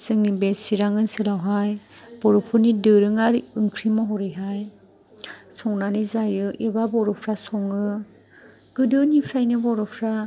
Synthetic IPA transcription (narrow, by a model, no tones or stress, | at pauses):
sɯŋnimbesiɾaŋɯnsɯlawɦajb̥ɔɾɯpʰɯɾnidɯɾɯŋaɾɯŋkʰɾimɔɦɔɾiɦaj | sɔŋnanizajɯʔibabɔɾɔpʰɾasɔŋɯ | ɡ̥ɯdɯnipʰɾajnɯbɔɾɔpʰɾa